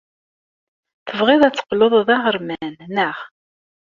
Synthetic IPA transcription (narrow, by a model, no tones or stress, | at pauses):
θəvʁɪðˤæt͡sːə̥qːloðˤðɑʁəɾmænnəʁ